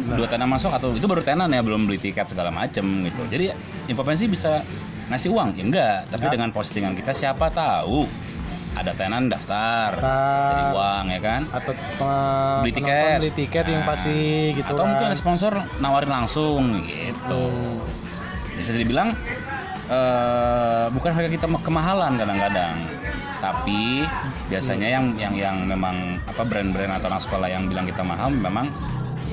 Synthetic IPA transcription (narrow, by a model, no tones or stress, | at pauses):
duat̪ananmas̬ʊkat̪awit̪ubaɾut̪ananjabəlʊmbəlit̪ikɛt̪səɡalama̰t͡ʃəmɡit̪ud͡ʒadi | inpɾofɛns̬ibisa | ŋasɪhuaŋaŋɡaʔt̪apidəŋanposi̥t̪iŋankit̪asiapat̪au | ʔa̰dat̪anandaft̪araiuaŋjakanat̪ | bəlit̪ikɛt̪lit̪ikɛt̪jaŋpasiɡitat̪awmũŋkɪnrəspɔnsɔrnawaɾɪnlaŋsʊŋɡḭt̪u | biasad͡ʒadibilaŋ | ə | bukanɦaɡak̬it̪amkəmaɦalankadaŋkadaŋ | t̪api | biasaɲajaŋjaŋjaŋmemaŋ | apabɾɛnbɾɛnat̪awnaksə̥kolajaŋbilaŋkit̪ama̰ɦalmemaŋ